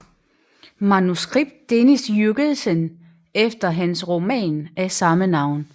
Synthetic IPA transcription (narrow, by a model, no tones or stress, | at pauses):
mɑnusɡ̥ʁib̥̚d̥ːenisjyɡ̥əð̩ˠsən | efd̥ɐɦænsʁo̝mɛ̰ːnæsɑ̈mənɑ̈ʊ̰n